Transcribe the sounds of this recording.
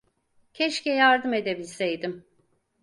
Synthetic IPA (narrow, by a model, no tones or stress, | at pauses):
cʰɛʃcɛjaɾd̪ɯme̞d̪e̞bilʲsejd̪im